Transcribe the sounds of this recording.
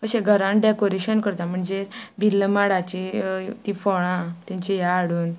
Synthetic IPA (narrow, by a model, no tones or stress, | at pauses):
kəsẽɡʱəɾãnɖekoɾeɕənkəɾt̪am̤əɳd͡zebilːəmaɽat͡ɕit̪ifɔɽ̃ãt̪ãt͡ɕijaːɽuːn